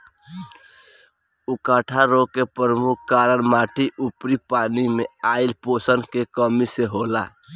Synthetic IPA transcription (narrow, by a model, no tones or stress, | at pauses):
ukaʈʰaɾokepəɾəmukʰkaɾənmaʈʰiʔupɾipanimeailposənkekəmiseɦola̰